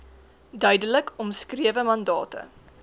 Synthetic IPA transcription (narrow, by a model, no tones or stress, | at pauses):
dœɥdələkʰɔmskriəvəmɐndɑːtə̰